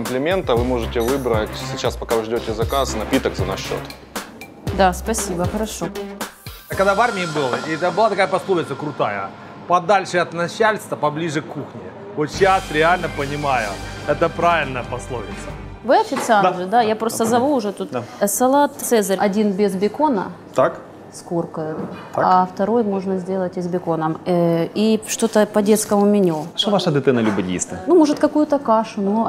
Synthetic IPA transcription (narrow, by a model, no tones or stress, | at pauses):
mplʲɪmʲe̞nt̪əvɨmo̞ʐɨtʲɪvɨbɾətʲsʲɪt͡ɕaspɐkavɨʐdʲotʲɪzɐkasnɐpʲit̪əɡzɐnɐʂɕːo̰t̪ | d̪aspɐsʲibəxəɾɐʂo̞ | kɐd̪avarmʲɪɪbɨlˠəiɛt̪əbɨlˠat̪ɐkajəpɐslˠovʲɪt̪səkɾʊt̪ajə̰ | pɐd̪alʲʂɨɐt̪nɐɕalʲst̪vəpɐblʲiʐɨkːuxnʲɪ | vot̪ɕasɾʲɪalʲnəpənʲɪmajʊɛt̪əpɾavʲɪlʲnəjəpɐslˠovʲɪ̰t̪sə | vɨɐfʲɪt̪sɨalʐɨd̪ajapɾo̞st̪əzɐvuʊʐɛt̪ut̪sɐlˠat̪sɛzəɾʲɐdʲinbʲɪzbʲɪkonə̰ | t̪ak | skorkəjʊaɐft̪ɐɾo̞jmo̞ʐnəzʲdʲe̞lˠətʲɪzbʲɪko̞nəmiʂt̪o̞t̪əpɐdʲe̞t̪skəmʊmʲɪnʲoʂovaʂəd̪ɨt̪ɛnəlʲʊbədʲɪ̰ḭst̪ɨnumo̞ʐɨt̪kɐkujʊt̪əkaʂʊnu